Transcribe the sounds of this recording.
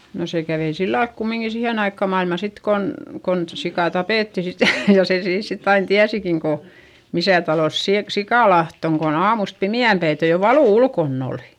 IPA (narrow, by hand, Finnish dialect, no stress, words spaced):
no se kæʋei silːɑlk kumːiŋki siheˑn ɑikːɑ mɑilmɑ sit kon kon sikɑˑ tɑpeˑtːi sit jɑ jɑ se siːns sitː ɑin tiæsikin ko misæˑ tɑloˑs siːk sikɑˑlɑht oŋ kon ɑːmust pimiæmpæitej jo ʋɑluˑ ulkonː oˑli